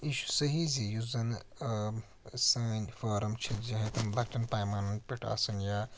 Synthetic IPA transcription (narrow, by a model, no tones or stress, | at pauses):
iʃu̥sɐɦizijuzɐn | sɐːnʲfɐːɾɐmt͡ʃʰit̪d͡ʒɐɦɐ̃t̪ɐmlɐkʈɐnpaːjmaːnɐnpʲiʈʰa̰ːsɐnjaː